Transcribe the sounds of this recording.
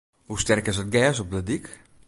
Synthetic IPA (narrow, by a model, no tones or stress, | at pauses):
hustɛrkɪs̬ət̚ɡɛːs̬ɔp̚dədik